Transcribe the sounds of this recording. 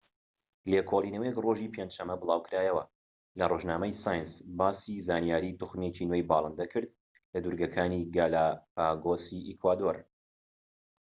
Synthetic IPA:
lekʰoːlˠiːnɐwjɛkroːʒiːpʰenʃɐmːɐbɨlˠaːwkɨɾaːjɐwɐ | lɐroʒnaːmɐjsaːjnsbaːsizaːnijaːɾiːt̪uxmet͡ʃinwejbɑːlˠɨnd̪ɐkʰɨɾd̪̚ | lɐd̪uɾɡɐkʰaːniːɡaːlaːpaːɡoːsiʔikwaːd̪oɾ

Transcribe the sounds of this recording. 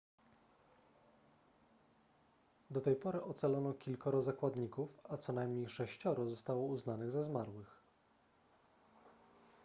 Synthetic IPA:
d̪ɔt̪ɛjpɔɾɘʔɔt̪salɔnɔkʲilkɔɾɔzakwad̪ɲikufat̪sɔnajmɲejʂɛɕt͡ɕɔɾɔzɔst̪awɔuznanɘɣzɛzmaɾwɘx

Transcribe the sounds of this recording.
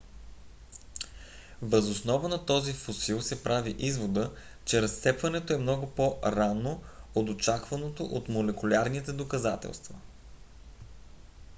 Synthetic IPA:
vəzosnɔvənɐt̪ɔzifosilˠsɛpɾaviʔizvod̪ə | t͡ʃɛɾɐst̪sɛpvɐnɛt̪oɛmnɔɡʊpoɾanoot̪ot͡ʃakvɐnot̪o̰ʔot̪molɛkʊlʲaɾnit̪ɛd̪okɐzat̪ɛ̰lˠst̪vɐ

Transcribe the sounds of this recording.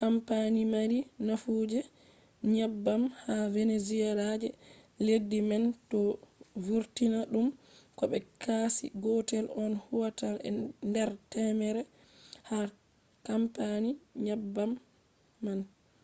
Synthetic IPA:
kampanimaɾinafud͡ʒɛ | ɲabːamhavenezialad͡ʒɛledːimɛntɔvuɾtinaɗum | kɔɓɛkasḭɡɔtɛlɔnhuwatalɛ̰ndɛɾtɛmɛɾɛ | ha | kampaniɲabːamː | an

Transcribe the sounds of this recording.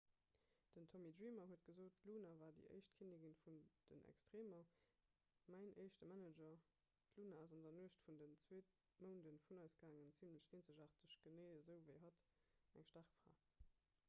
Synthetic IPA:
d̥əntʰɔmidʁiːmɐɦuətɡ̥əzoːt̚luːnavaːdḭʔə̰ɪʃt̚kʰiniɡənfund̥ə̰nʔɛ̰kstʁeːmɐ | mæɪnʔəɪʃtəmæned͡ʒɐ | dluːnaɑzɑndɐnuəʃtfundənt͡sweːt | məʊndənfunɑɪsɡ̥aːŋənt͡simləʃeːnzəʒaːʁtəʃɡ̥əneɪəzəʊvəɪɦɑtæŋʃtaʁkfʁa̰ː

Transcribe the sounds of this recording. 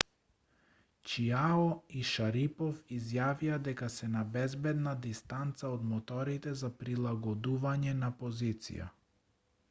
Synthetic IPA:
t͡ʃiaɔiʃaɾipɔfizjavijad̪ɛkasɛnabɛzbɛd̪nad̪ist̪ant̪saɔd̪mɔt̪ɔɾit̪ɛzapɾilˠaɡɔd̪uvaɲɛnapɔzit̪sḭja̰

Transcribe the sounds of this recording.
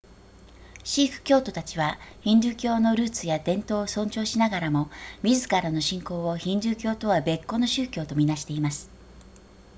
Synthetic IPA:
ɕiːɸɯ̟̥kʲo̞ːt̪o̞t̪at͡ɕiβaçĩɲɾɨːkʲo̞ːno̞ɾɯ̟ːt͡sɨjad̪ẽ̞nt̪o̞ːosõ̞ɲt͡ɕo̞ːɕinaɡaɾamo̞mʲizɨkaɾano̞ɕĩŋko̞ːoçĩɲɾɨːkʲo̞ːt̪o̞βabe̞kːo̞no̞ɕɨːkʲo̞ːt̪o̞mʲinaɕi̥t̪e̞imasɨ̥

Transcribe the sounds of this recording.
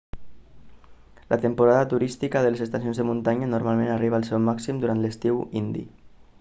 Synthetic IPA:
lʔat̪əmpuɾaðət̪uɾist̪ikəðələzəst̪asijonzðəmunt̪aɲanuɾmalˠmẽnariβaəlˠsɛwmaksimd̪uɾant̪ləst̪iwind̪ḭ

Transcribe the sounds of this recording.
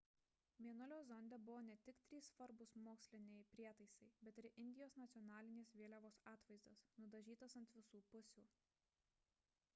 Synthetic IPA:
mʲiɛnʊlʲoːzɔnʲd̪ʲɛbʊʋoːnʲɛt̪ʲɪkt̪ʲɾʲiːsfɐɾbʊsmoːksʲlʲɪnʲeːjpʲɾʲiɛt̪ɐɪsɐɪbʲɛt̪ɪɾʔɪnʲd̪ʲɪjoːsnɐt̪sʲjɔnɑːlʲɪnʲeːsʋʲiɛlʲɛʋoːsɑːt̪ʋɐɪzd̪oːsnʊd̪ɐʒʲiːt̪osɐnt̪ʲʋʲɪsuːpʊsʲuː

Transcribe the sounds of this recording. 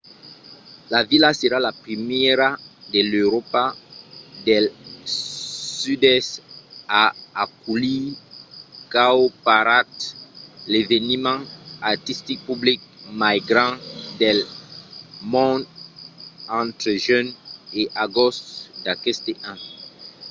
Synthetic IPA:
lavilaseɾalapχimɛɾad̪eløɾɔpa | d̪ɛl | syd̪ɛstaakuli | kaopaɾat̪levenimɑ̃at̪ist̪ik̚pyblik̚maɡɾɑ̃d̪ɛl | mɔ̃d̪ | ɑ̃t̪ɾəʒøneʔaɡɔstd̪akɛst̪eʔã

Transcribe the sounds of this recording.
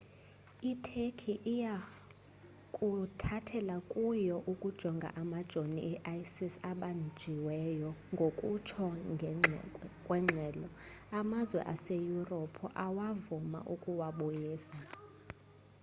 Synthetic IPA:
itʰekʰiʔija | kʼutʰatʰɛlakʼujɔʔukʼud̥ʒ̥ʱɔŋɡʱa̰ʔamad̥ʒ̥ʱoniʔːʔajsisaɓand͡ʒʱiwɛjɔŋɡʱokʼut͡ʃʰɔŋʱ | kʼwɛŋ͡ǀʱɛːlɔamazwɛ̰ʔasejurɔpʰɔʔawavuma̰ʔukʼuwaɓɔjiːsa

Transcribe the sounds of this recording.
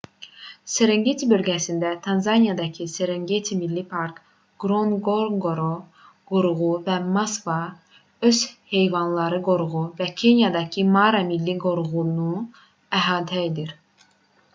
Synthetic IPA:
seɾeŋɡet̪ʰibølɟæsind̪æt̪ʰɑnzɑnijɑd̪ɑcʰiseɾeŋɡet̪ʰimilːipʰɑɾk | ɡ̥ɾonɡoɾɡoɾo | ɡ̥oɾuɣuvæmɑskvɑ | ø̞z̥he̞jvɑnlˠɑɾɯɡoɾuɣuvæcʰe̞njɑd̪ɑcʰimɑɾɑmilːiɡoɾuɣunu | æɦɑːt̪ʰæed̪iɾ

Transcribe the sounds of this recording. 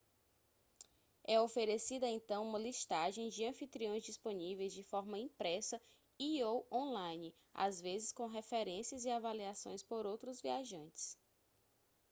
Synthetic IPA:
ɛofeɾesid̪ɐẽnt̪ɐ̃w̃ũmɐliʃt̪aʒẽj̃d͡ʒɪɐ̃fit̪ɾiõj̃zd͡ʒisponivejzd͡ʒɪfɔɾmɐĩpɾɛsɐ | iowõlãjnɪ | a̰zvezɪskõw̃ɦefeɾẽsiɐziavaliasõ̰j̃spoɾowt̪ɾʊzviaʒɐ̃nt͡ʃɪ̥s

